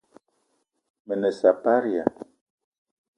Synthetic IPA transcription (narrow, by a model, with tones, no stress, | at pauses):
mə˨nə˨sa˨pa˦ɾi˨a̰˨